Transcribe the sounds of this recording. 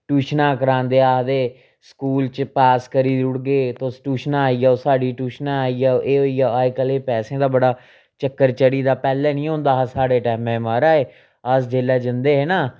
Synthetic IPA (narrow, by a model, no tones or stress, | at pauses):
ʈuːʃnãːkəɾãːnd̪eːaːd̪eː | skuːlt͡ʃpaːskəɾiːd̪ʊɽɡeːt̪õːsʈuːʃnaːiːaːoːsaːɖiːʈuːʃnaːaːiːaːʔeːɦoːiːaːaːekəleːpɛːsẽːd̪aːbəɽaː | t͡ʃəkːəɾt͡ʃəɽiːd̪aːpɛːlɛːnĩːɦõːnd̪aːɦaːsaːɽeːʈɛːmɛ̃ːmaːɾaːeː | əsd͡ʒeːlɛːd͡ʒənd̪eːɦɛːnaː